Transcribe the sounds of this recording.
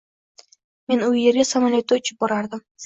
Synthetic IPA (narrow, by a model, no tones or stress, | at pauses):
me̞nʊjːeɾɡʲasamalʲet̪ːojt͡ʃʰɪ̥p̚bɒɾaɾd̪ɪm